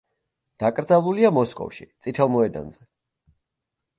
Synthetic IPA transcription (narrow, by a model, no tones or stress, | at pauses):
d̪̥akʼɾd̪zalˠuliamɔskʼɔ̰fʃḭt̪sʼit̪ʰɛlˠmɔɛd̪a̰nzɛ